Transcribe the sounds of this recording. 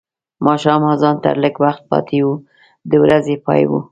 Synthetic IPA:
mɑʃɑmɑzɑnt̪ə̰ɾləɡwaxt̪̚pɑ̰t̪ʰewu | d̪əwɾazepɑ̰jwṵ

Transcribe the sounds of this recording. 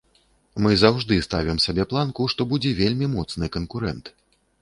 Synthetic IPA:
mɨzawʐd̪ɨst̪avʲimsʲabʲɛplˠankuʂt̪ɔbud͡zʲɛvʲelʲmʲimɔt̪snɨkɐnkuɾɛnt̪

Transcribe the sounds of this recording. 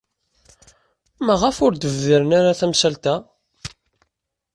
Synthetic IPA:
mæʁəfʊɾd̪əvðəɾənaɾaθæmsælt̪æ

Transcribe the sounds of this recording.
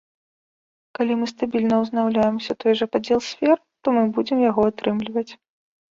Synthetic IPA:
kalʲimɨst̪abʲilʲnɐwznawlʲajɛmsʲɐt̪ɔjʐɐpad͡zʲɛlˠsʲfʲɛr | t̪ɔmɨbud͡zʲɛmjaɣɔat̪ɾɨmlʲivɐt͡sʲ

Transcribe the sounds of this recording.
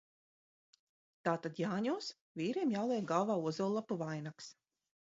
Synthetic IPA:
t̪aːt̪ad̪jaːɲɔːs | vʲiːɾeːmjawlˠɛːkɡalˠvaːuzɔlˠːapuvajnaks

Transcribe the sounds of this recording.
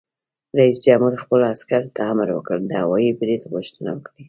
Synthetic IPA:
ɾaisd͡ʒamhuɾxpəlaskaɾt̪ʰaamɾwə̰kəld̪əhawɑjipd̪et̪aɣʊʃt̪əna̰wəkɽi

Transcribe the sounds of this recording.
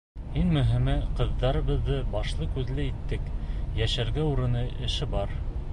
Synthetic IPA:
hinmɵ̆ɦɘ̆mæqɤ̆ðːɑɾɤ̆βɤ̆ðːɤbɑʃlˠɤkʉðlæit̪ːɘkjæʃæɾɡæuɾɤ̆nɤʔɘ̆ʃɘbɑɾ

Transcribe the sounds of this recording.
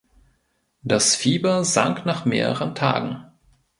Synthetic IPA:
d̥asfiːbɐza̰ŋknaːχmeːʁə̰ʁəntʰa̰ːɡŋ̩

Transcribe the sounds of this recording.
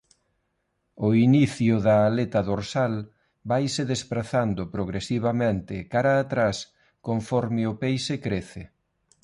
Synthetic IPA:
ʊiniθjʊðaːlet̪aðoɾsal | bajsɪðespɾaθand̪ʊpɾoɣɾesiβ̞amẽnt̪ɪkaɾaːt̪ɾas | koɱfɔɾmɪʊpejsekɾeθɪ

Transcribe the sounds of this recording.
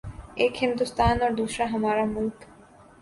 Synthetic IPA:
ekhind̪ust̪aːnoɾd̪uʃɾaɦɐmaɾamulk

